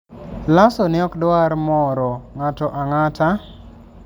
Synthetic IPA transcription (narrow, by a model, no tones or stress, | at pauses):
lasɔnɪɔkdwaɾmɔɾɔŋatɔʔaŋata